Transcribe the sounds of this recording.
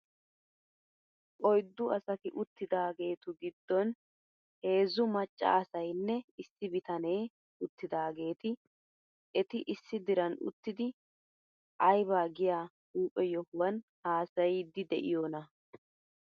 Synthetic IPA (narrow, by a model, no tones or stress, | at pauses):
ʔʼɔjd̪ːʊɐsɐt̪ɪʔʊt̪ːɪd̪aːɡe̞ːt̪ʊɡɪd̪ːɔn | he̞ːzʊmɐt͡ʃʼːɐ̰ɐsɐjnːɛɪsːɪbɪt̪ɐne̞ː | ʊt̪ːɪd̪aːɡe̞ːt̪ɪ | ʔɛt̪ɪʔɪsːɪd̪ɪɾɐnʊ̰t̪ːɪd̪ɪ | ʔɐjbaːɡɪjaː | huːpʼːɛjɔhʊwɐnhaːsɐjd̪ɪd̪ɛ̰ʔɪ̰joːnɐ